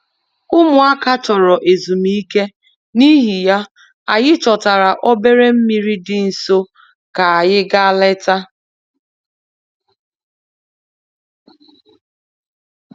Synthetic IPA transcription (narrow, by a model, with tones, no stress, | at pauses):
ʊ˦mʊ˨a˦ka˦t͡ʃɔ˨ɾɔ˨ʔe˨zu˨mi˦i˦ke˦ | ni˦ɦi˨ja˦ | a˨ɣɪ˦t͡ʃɔ˨ta˨ɾa˨ʔɔ˦be˦ɾe˦m̩˦mi˦ɾi˦dɪ˦n̩˨so˦ | ka˨a˨jɪ˦ɡa˦le˦ta˦